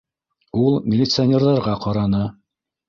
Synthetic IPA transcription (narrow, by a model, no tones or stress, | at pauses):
ulˠmʲɪlʲɪt̪sɨanʲerðɑɾʁɑqɑɾɑnɤ